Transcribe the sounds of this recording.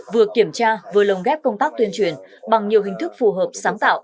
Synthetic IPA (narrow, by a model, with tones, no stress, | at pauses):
vɨ˨˩əkːi˧˩əmt͡ɕaː˧vɨː˨˦lə˨˩wŋ͡mɣɛ˦˥p̚kə˧wŋ͡mt̪aː˦˥k̚t̪wi˧ənt͡ɕwi˧˩ənɓa˨˩ŋɲi˨˩əwɦï˨˩ŋ̟t̪ʰɨ˦˥k̚fu˨˩ɦəː˨˩p̚saː˨˦ŋt̪a̰ː˧˨wʔ